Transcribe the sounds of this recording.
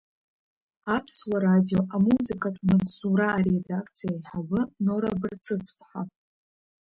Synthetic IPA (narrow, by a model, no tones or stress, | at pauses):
apʰswaɾadijoʔamuzɨkʰʼatʼmat͡ssuɾaːɾedakʰt͡sʰijajħawɨnoɾa̰bɨrt͡sʰɨt͡sʰʼpʰħa